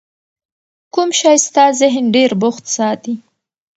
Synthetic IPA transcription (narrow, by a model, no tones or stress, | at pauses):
kumʃɑjst̪ɑzɪɦɪnɖeɾbʊxt̪sɑt̪i